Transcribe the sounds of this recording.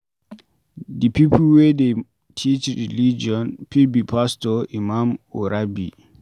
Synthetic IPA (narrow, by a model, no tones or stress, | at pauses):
dipʰipʰlwɛde | tʰit͡ʃɾilid͡ʒiɔ̃npʰilbipʰastɔimamuɾabi